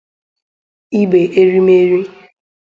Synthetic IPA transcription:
i˦be˨ʔe˦ɾi˦me˦ɾi˦

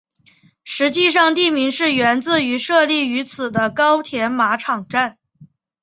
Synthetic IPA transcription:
ʂɻ̩˧˥t͡ɕi˥˧ʂ̬ɑ˥˧ŋt̪i˥˩mi˧˥ŋʂɻ̩˥˩ɥɛ˧˥nt͡sɹ̩˥˩y˧˥ʂɤ˥˧li˥˩y˧˥t͡sʰɹ̩˨˩d̪ə˦kɑ˥ʊt̪ʰjɛ˧˥nma˧˥ʈ͡ʂʰɑ˨˩ŋʈ͡ʂa˥˩n

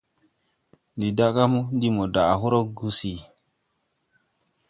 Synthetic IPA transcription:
ndi˨da˦ka˦mu˦ndi˦mo˨da˨a˨ɦo˦ɾo˦ɡu˦si˨

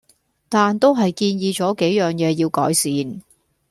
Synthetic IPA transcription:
t̪aː˨nt̪o˥wɦɐ˨jkiː˧njiː˨˧t͡ʃɔː˨˥ke˨˥jjœː˨ŋjɛː˨˧jiː˧wkɔ̰ː˨˥jsiː˨˧n

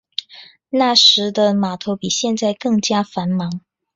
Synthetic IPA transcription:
na˥˩ʂɻ̩˧˥d̪ə˧ma˨˩t̪ʰo˧˥ʊpi˨˩ɕjɛ˥˧nt͡sa˥˧ɪkɤ˥˩ŋt͡ɕja˥fa˧˥nmɑ˧˥ŋ

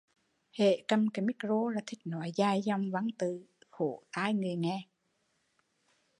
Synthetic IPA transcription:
hḛ˧˨kə˧mkə˧˩mi˦˥kzo˧laː˧˩t̪ʰï˨˩k̚nɔ˨˦jzaː˧jzɔ˧wŋ͡mva˧˦ŋt̪ɨ˨˩xo˧˩t̪aː˧˦jŋɨ˨˩əjŋɛ˧

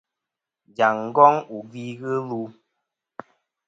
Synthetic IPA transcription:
d͡ʒa˨ŋ˦ɡɔ˦ŋu˨ɡi˦ɣə˦lu˦

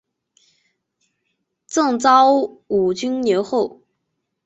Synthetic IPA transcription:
t͡sɤ˥˩ŋt͡sɑ˥ʊu˨˩t͡ɕy˥nnjɛ˧˥nxo˥˩ʊ

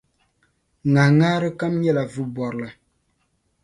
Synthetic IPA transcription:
ŋa˨ŋa˦ɾɨ˦ka˦mɲɛ˦˨la˨vɨ˦bɔ˨ɾla˨

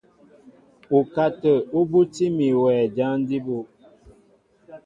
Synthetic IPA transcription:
u˨ka˦tə˨o˦bu˦ti˦mi˨wɛː˨d͡ʒa˦n˦di˦bo˦

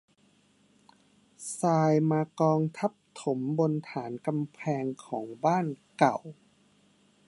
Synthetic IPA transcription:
saː˧jmaː˧kɔː˧ŋt̪ʰa˦˥p̚t̪ʰo˩˦mbo˧nt̪ʰaː˩˦nka˧mpʰɛː˧ŋkʰɔː˩˦ŋbaː˥˩nka˨˩w

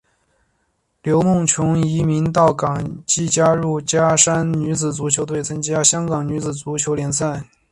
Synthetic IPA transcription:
ljo˧˥ʊmʊ˥˩ŋt͡ɕʰjʊ˧˥ŋi˧˥mi˧˥nt̪̬ɑ˥˩ʊkɑ˨˩ŋt͡ɕi˥˩t͡ɕja˥ɻu˥˩t͡ɕja˥ʂa˥nny˧˥t͡sɹ̩˨˩t͡su˧˥t͡ɕʰjo˧˥ʊt̪̬we˥˩ɪt͡sʰɤ˥ŋt͡ɕja˥ɕjɑ˥ŋkɑ˨˩ŋny˧˥t͡sɹ̩˨˩t͡su˧˥t͡ɕʰjo˧˥ʊljɛ˧˥nsa˥˩n

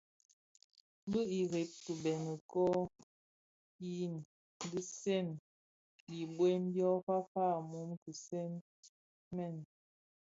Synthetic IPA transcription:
bə˦i˨ɣe˨˦p̚kə˨bɛ˨nə˨kɔ˦ | i˦n˨ | di˦sɛ˦˨n | li˨bwe˦n˦bjɔ˦pa˦fa˦˨mu˨˦mki˨sɛ˦n | mɛ˦˨n˨

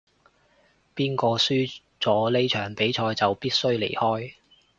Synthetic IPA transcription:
piː˥nkɔː˧syː˥ | t͡sɔː˨˥le˥jt͡ʃʰœː˨˩ŋpe˨˥jt͡ʃʰɔː˧jt͡sɐ˨wpiː˥t̚sɵ˥ɥlḛ˨˩jhɔː˥j

